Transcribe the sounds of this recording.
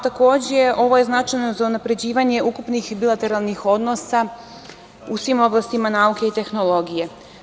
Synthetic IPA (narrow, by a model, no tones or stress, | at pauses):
t̪ako̞ːd͡ʑeʔo̞ʋo̞je̞znat͡ʃajno̞zaunapɾe̞d͡ʑiːʋaɲe̞ʔukupnixbilˠat̪e̞ɾalˠnixo̞d̪no̞sa | usʋimo̞blast̪imanauke̞it̪e̞xno̞lˠo̞ɡije